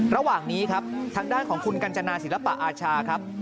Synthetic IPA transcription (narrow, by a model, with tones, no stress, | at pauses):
ɾa˧waː˨˩ŋniː˦˥kʰa˦˥p̚t̪ʰaː˧ŋdaː˥˩nkʰɔː˩˦ŋkʰu˧nka˧nt͡ɕa˧naː˧si˨˩˦la˧˥pa˨˩ʔaː˧t͡ɕʰaː˧kʰɾa˦˥p̚